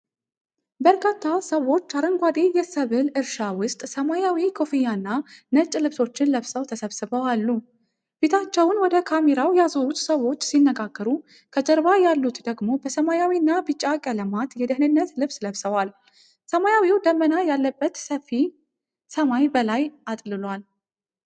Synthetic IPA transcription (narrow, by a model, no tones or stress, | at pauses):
bəɾkʰat̪ʰːasəwo̞t͡ʃːaɾəŋɡʷad̪ejɛsəβɨlɨɾʃawʊst̪ʼsəmajawikʰo̞fijanːanət͡ʃʼːlɨβso̞t͡ʃːɪnləβsəwt̪ʰəsəβsɨβəwalːu | b̥e̞t̪ʰat͡ʃːɛwnwɔd̪əkʰameɾawjazoɾut͡ʃːsəwo̞t͡ʃːsinːəɡaɡːəɾu | kʰəd͡ʒəɾβajalːut̪d̪əɡmo̞bəsəmajawinːabɨt͡ʃʼːakʼələmat̪jɛd̪ɨhnɨnːət̪lɨβsləβsəwal | səmajawiwd̪əmːənajalːəbːət̪səfi | səmajbəlajʔat̪ʼlɨlwal